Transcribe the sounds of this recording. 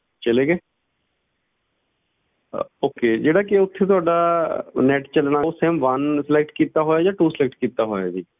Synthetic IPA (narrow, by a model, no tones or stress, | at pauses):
t͡ʃəleːɡeː | oːkeːd͡ʒeːɽaːk̬ɪʊt̪ʰːeːt̪ʊaːɖaːnɛːʈt͡ʃəlɳaːseːmʋənsəlek̚ʈkiːt̪aːɦoːjaːd͡ʒaːʈuːsəlɛːk̚ʈkiːt̪aːɦoːja̰ːd͡ʒiː